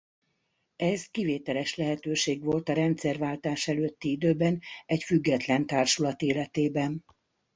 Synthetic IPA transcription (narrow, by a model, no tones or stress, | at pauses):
ɛzkiveːt̪ɛlɛʃlɛɦɛt̪øːʃeːɡʋo̞lt̪ɒɾɛnt̪sɛrvaːlt̪aːʃɛløːt̪ːiid̪øːbɛnɛcfyɡːɛt̪lɛnt̪aːrʃulɒt̪eːlɛt̪eːbɛn